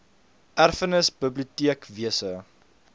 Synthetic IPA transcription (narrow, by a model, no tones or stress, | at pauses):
ʔærfənəsbəbliutiəkviəsə